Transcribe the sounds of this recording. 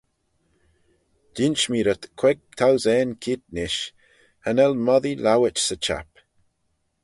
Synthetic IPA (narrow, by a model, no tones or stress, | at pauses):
d̥int͡ʃmiːɾət̪kʰwɛɡ̚t̪ʰawzɛːnkʰit̪̚nɪʃ | hanɛlmɔðilawət͡ʃsət͡ʃa̰p